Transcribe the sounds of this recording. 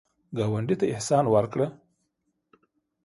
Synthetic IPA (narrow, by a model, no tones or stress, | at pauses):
ɡɑwaɳɖit̪aɪhsɑnwaɾkɽə